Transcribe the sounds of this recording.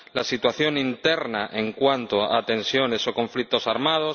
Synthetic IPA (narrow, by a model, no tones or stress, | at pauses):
lasit̪waθjo̞nint̪e̞ɾnaʔeŋkwant̪oa̰t̪ẽ̞nsjo̞ne̞so̞ko̞ɱflik̚t̪o̞saɾmað̞o̞s